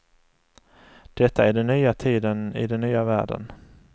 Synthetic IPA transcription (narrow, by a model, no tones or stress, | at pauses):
d̪̥ɛt̪ʰːaæɖɛnːyːat̪ʰiːd̪ənɪ̰d̪ɛnːyːavæ̰ːɖə̰n